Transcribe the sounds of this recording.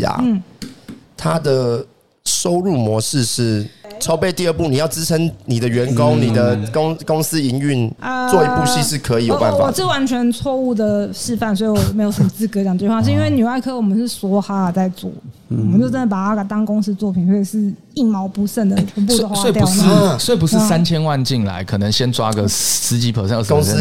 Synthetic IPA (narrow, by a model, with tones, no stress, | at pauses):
a̰˨n̩˥˩ | t̪ʰa˦d̪ə˨ | ʂo˥ʊɻu˥˩mwɔ˧˦ʂɻ̩˥˧ʂɻ̩˥˩ʈ͡ʂʰo˥ʊpe˥˧ɪt̪i˥˧ə˥˧pu˥˨ni˨jɑ˥˩ʊʈ͡ʂɻ̩˦˥ʈ͡ʂʰə˧˦ŋni˨˩d̪ə˦ɥɛ˧˦˥nko˦ŋni˨˩d̪ə˩ko˥˦ŋkʊ˦ŋs̩˦i˧˥ŋy˥˨nə˧t͡swɔ˥˨i˧˥pu˥˧ɕi˥˧ʂ̬ɻ̩˥˩kʰɤ˧˦i˨˦jo˨pa̰˥˩nwfaɔ˨˩ʂɻ̩˥˩wa˧˦˥nt͡ɕʰɥɛ˧˥nt͡sʰwɔ˥˧u˥˩d̪ə˨˩ʂɻ̩˥˧fa˥˩nswɔ˧˥i˨˩wwɔ˨˩me˧˥o˨˩ʊʂə˨˩mə˧t͡sɹ̩˥˩kɤ˧t͡ɕjɑ˨˩ŋt̪wwa˥˧ʂ̬ɻ̩˥˧i˥nwe˥˩ɪny˨˩a˥˧ɪkʰɤ˧˥wɔ˨˩mə˨˦nʂɻ̩˥˩swɔ˧˥xa˥˨˩t͡sa˥˧ɪt͡swɔ̰˥˨˩wwmə˦nt͡ɕjo˥˧ʊʈ͡ʂə˥nd̪ə˩pa˨˩a˥ka˨˩t̪ɑ˥ŋkʊ˥ŋs̩˥t͡swɔ˥˩pʰi˨˩nswɔ˧˥i˨˩ʂɻ̩˥˧ | i˥˩nmɑ˧˥ʊpu˧˥ʂə˥˩nd̪ə˨˩t͡ɕʰɛ˧˥np̬su˥˧wd̪ə˨xwsawe˥˩˨t̪jɑu˨˧ʊʂ̩˥˩swe˥˩i˨p̬u˧˦ʂɻ̩˥˨˧sa˦nt͡ɕʰjɛ˥nwa˥˨nt͡ɕi˥˩nla̰˧˦ɪkʰɤ˨˩nə˧˦ŋɕjɛ˥nʈ͡ʂwa˦˥ɡə˨s̩˥t͡ɕi˧˥pʰə˨˩sə˥˧ə˥˧˩ŋ˥